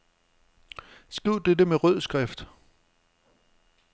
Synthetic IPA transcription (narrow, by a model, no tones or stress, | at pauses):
sɡ̥ʁiʊ̰d̥edəmeʁœð̞̰ˠsɡ̥ʁɛfd̥